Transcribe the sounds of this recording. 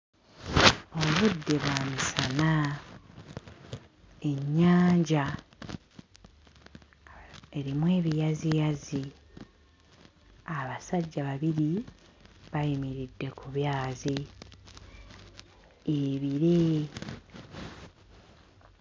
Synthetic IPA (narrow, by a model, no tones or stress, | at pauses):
o̞βudːe̞βwaːmisana | e̞ɲːaːɲɟa | e̞ɾimwe̞ːβijazijazi | aβasaɟːaβaβiɾi | βajimiɾidːe̞kuβjaːzi | eβiɾe